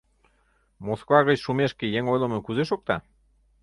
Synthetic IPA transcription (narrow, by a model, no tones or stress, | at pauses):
moskvɑɣət͡ɕʃumeʃkejeŋojlə̆məkuzeʃok̚t̪ɑ̰